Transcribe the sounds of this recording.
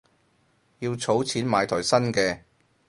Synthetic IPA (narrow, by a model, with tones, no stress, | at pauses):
jiː˧wt͡sʰo˨˥wt͡sʰiː˨˥nmaː˨˧jt̪ʰɔː˨˩jsɐ˥nkɛː˧